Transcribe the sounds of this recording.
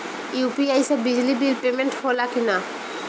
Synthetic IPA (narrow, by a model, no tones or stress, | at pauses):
juːpiajsebɪd͡ʒlibilpeːmẽɳʈhoːlakina